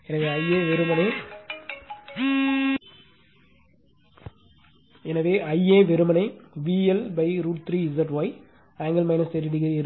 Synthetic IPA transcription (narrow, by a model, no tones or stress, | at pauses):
ɛnɐʋeːɐɪeːʋɛɾɯmɐnɐɪ | ɛnɐʋeːʔɐjeːʋɛɾɯmɐnɐɪʋiːɛlbɐɪɾuːʈ̚t̪ɾiːɪzɐʈʋɐːɪ | aːŋɡɐlmɐɪnɐseɾɪʈɪɣɐɪɾ